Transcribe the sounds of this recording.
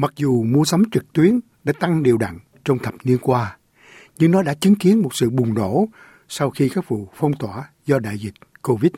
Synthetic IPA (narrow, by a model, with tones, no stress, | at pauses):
ma˨˩k̚zu˨˩mu˧əsa˨˦wŋ͡mt͡ɕɨ˨˩k̚t̪wi˨˦ən | ɗa̰ː˧˥t̪a˧ŋɗi˨˩əwɗa̰˧˨ŋ | t͡ɕɔ˧wŋ͡mt̪ʰə˨˩p̚ni˧ənkwaː˧ | ɲɨ˧ŋnɔ˨˦ɗa̰ː˧˥t͡ɕɨ˨˦ŋki˨˦ənmo˨˩t̚sɨ̰˧˨ɓʊ˨˩ŋ͡mɗo̰˧˩˥ | sa˧wxi˧kaː˦˥k̚vṵ˧˨fə˧wŋ͡mt̪waː˧˩ | zɔ˧ɗa̰ː˧˨jzï˨˩k̟̚ko˧vi˦˥t̚